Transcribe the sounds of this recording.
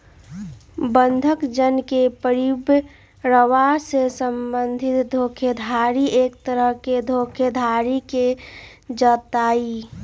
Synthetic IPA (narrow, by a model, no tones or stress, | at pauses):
bənd̪ʱəkd͡ʒənkepəɾib | ɾəwasesəmbənd̪ʱɪt̪d̪ʱoːkʰed̪ʱaːɾiʔeːk̚t̪əɾəɦked̪ʱoːkʰed̪ʱaɾike | d͡ʒət̪aːi